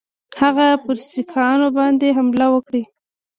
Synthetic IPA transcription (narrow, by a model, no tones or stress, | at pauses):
haɣapəɾsikʰɑnobɑnd̪eɦamlawəkɽi